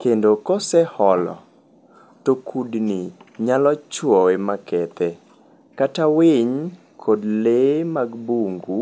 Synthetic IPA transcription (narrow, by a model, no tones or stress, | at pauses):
kendokɔsɛhɔlɔ̰ | tokʰudniɲalɔt͡ʃwɔwemakɛt̪ɛ | katawɪɲ | kʰodlemaɡbuŋɡu